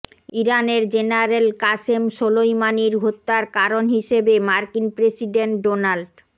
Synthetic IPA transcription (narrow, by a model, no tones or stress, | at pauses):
iɾaneɾd͡ʑenaɾelkaʃemʃolojmaniɾɡʱot̪ːaɾkaɾonɦiʃebemaɾkinpɾesiɖeɳʈɖonalɖ